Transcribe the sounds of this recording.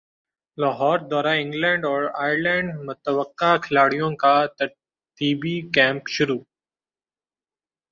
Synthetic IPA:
lɔɦɔːɾd̪ɔːɾaɪ̃ŋɡlɛ̃ːɳɖɔːɾaːjəɾlɛ̃ːɳɖmʊt̪əʋəqːakʰɪlaːɽijõkat̪ə | t̪iːbikɛ̃ːmpʃʊɾuː

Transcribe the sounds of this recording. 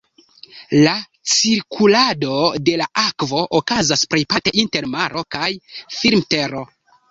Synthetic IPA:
la | t͡siɾkʰulado̞de̞laʔakvo̞ʔokazaspɾejpate̞ʔinte̞ɾmaɾo̞kajfiɾmte̞ɾo̞

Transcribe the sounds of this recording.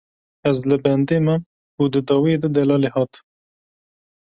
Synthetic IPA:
ɛzlɨbɛnd̪eːmɛ | ud̪ɨd̪ɑːwied̪ɨd̪ɛlɑːleːhɑːt̪

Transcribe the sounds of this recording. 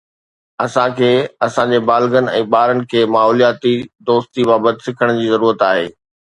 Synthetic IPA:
ɐsãkʰeːɐsãɲd͡ʑebaːlɡənɪ̆ɛ̃ːɓaːɾənɪ̆kʰeːmaːɦɔːlijaːt̪id̪oːst̪ibaːbət̪ɪ̥sɪkʰəɽ̃d͡ʑiːzɐɾuːɾət̪aːɦeː

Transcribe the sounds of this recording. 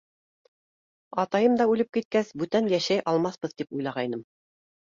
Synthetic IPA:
ɑt̪ɑjɤmd̪ɑʉlɘp̚kit̪̚kæsbʉt̪ænjæʃæjʔɑlˠmɑθbɤ̆ðt̪ipujlˠɑʁɑinɤm

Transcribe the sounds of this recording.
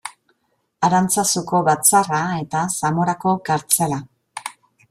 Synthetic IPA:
aɾant͡sasuko̞βat͡sarae̞t̪asamo̞ɾako̞kaɾt͡se̞la

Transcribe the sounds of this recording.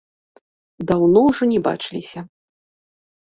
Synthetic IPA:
d̪awnɔwʐɔnʲɛba̰t͡ʂɨlʲisʲɐ

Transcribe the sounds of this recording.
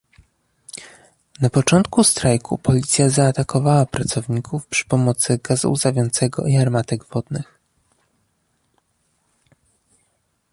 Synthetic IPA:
napɔt͡ʂɔnt̪kust̪ɾajkʰupɔlʲit̪sʲjazaːt̪akɔvawapɾat̪sɔvɲikufpʂɘ̥pɔmɔt̪sɘɡazṵzavʲjɔnt̪sɛɡɔ̰iaɾmat̪ɛɡvɔd̪nɘx

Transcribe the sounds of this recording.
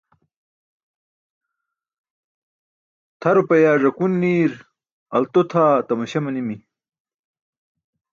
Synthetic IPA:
t̪ʰɐɾopɐjaːʐɐkunːiːɾ | ɐlt̪ot̪ʰaːt̪ɐmɐɕɐmɐnimi

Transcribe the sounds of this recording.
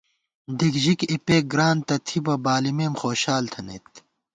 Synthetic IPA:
d̪ekʑikipeːɡɾaːnt̪ɐt̪ʰibɐbaːlimeːmxoːɕaːlt̪ʰɐnḛːt̪̚

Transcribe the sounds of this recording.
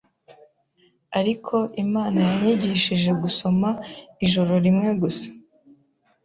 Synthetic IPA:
aɾikʰo̞ʔimaːnajaɲiɟiːʃiʒe̞ɡuso̞maiʒo̞ɾo̞ɾimŋe̞ɡusḁ

